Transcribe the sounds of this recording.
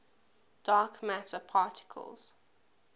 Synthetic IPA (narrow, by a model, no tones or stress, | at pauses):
d̥ɑːˑkmatəpʰɑːˑtɪ̥kʰə̰lˠz̥